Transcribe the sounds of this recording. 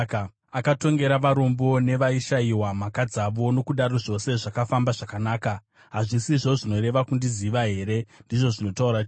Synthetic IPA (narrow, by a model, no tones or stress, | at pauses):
akato̞ŋɡe̞ɾaʋaɾo̞mbo̞ne̞ʋaiʃaiwamakad͡zaʋo̞no̞kuɗaɾo̞ʐo̞se̞ʐakafambaʐakanaːka | ɦaʐisiʐo̞ʐino̞ɾe̞ʋakundiziʋaɦe̞ːɾe̞ndiʐo̞ʐino̞tauɾa